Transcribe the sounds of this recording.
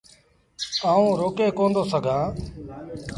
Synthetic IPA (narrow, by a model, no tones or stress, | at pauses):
aːũːɾoːkeːkõːnd̪oːsəɡʱãː